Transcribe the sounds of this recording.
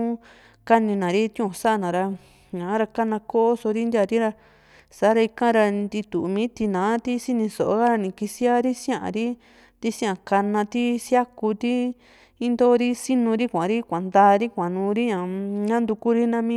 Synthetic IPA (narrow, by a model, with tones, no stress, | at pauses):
ka˦nĩ˧nã˨ɾi˦t̪jũ˦˧˨sa˦˧nã˨ɾa˧ | ɲã˨˦ɾa˧ka˦nã˧ko˦o˦so˧ɾi˦nd̪ja˧˨ɾi˦ɾa˧ | sa˨˦ɾa˧i˧kã˦ɾa˧nd̪i˧t̪u˨mĩː˦t̪i˧nãː˨˦t̪i˦si˦nĩ˧so̰˨ʔo˧˦ɣa˦ɾa˧nĩ˧˨ki˧si˦a˦ɾi˦sj̃ã˦˧ʔã̰˨ɾi˦ | t̪i˦sĩ˦ã˧˨ka˧nã˧t̪i˦sja˦ku˧t̪i˦ | i˦nd̪o˦˧ɾi˦si˦nũ˧ɾi˦kʷã˨ɾi˦kʷã˨nd̪aː˧˦˧ɾi˦kʷã˨nũː˧˦ɾi˦ɲã˨ɲã˦nd̪u˧ku˦ɾi˦nã˧mĩ˦